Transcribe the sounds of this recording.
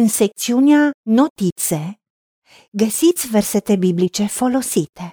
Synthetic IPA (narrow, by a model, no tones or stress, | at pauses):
ɨnsek̚t̪siuneanot̪it̪se | ɡəsit̪sʲverset̪ebiblit͡ʃe̞fo̞lo̞sit̪e